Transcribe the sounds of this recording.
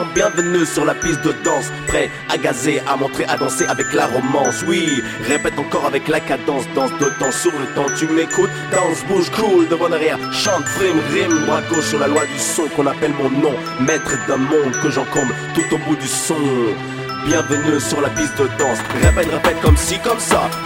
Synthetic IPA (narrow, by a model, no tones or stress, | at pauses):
bjɛ̃vənysyʁlapist̪̚d̪əd̪ɑ̃s | pχɛ | aɡazeʔamɔ̃t̪χeʔad̪ɑ̃seʔavɛklaʁɔmɑ̃swi | ʁepɛt̪ɑ̃kɔʁavɛklakad̪ɑ̃sd̪ɑ̃sd̪əd̪ɑ̃sːuvlət̪ɑ̃t̪ymekut̪ | d̪ɑ̃sbuʒkuld̪əvɑ̃d̪aʁjɛʁʃɑ̃t̪fʁimʁimmwakosyʁlalwad̪ysɔ̃kɔ̃napɛlmɔ̃nɔ̃ | mɛt̪χəd̪ɛ̃mɔ̃d̪kəʒɑ̃kɔmt̪ut̪obud̪ysɔ̃ | bjɛ̃vənysyʁlapist̪̚d̪əd̪ɑ̃sʁepɛt̪ʁepɛt̪̚kɔmsikɔmsa̰